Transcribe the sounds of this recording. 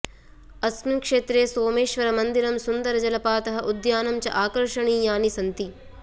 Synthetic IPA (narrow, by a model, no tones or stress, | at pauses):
ɐsmimkʂeːt̪ɾeːsoːmeːʃʋɐɾɐmɐnd̪iɾɐmsund̪ɐɾɐd͡ʒɐlɐpaːt̪ɐɦɐʔud̪jaːnɐmt͡ʃɐ̰ʔaːkɐɾʂɐɳiːjaːnisɐnt̪i